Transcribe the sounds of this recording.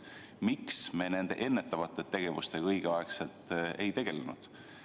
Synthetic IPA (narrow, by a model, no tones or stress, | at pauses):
miksme̞ne̞nd̪̥e̞̰ʔe̞nːe̞t̪ːˑɑvɑt̪ːˑe̞t̪ːe̞ɡ̥e̞vust̪e̞kɤjɡ̥eɑekse̞lt̪ːˑe̞jt̪e̞ɡ̥e̞lenṵd̪̥